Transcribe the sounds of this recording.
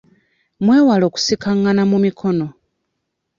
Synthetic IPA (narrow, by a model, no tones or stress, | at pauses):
mwe̞ːwalo̞ːku̥sikaŋːanamumikʰo̞no̞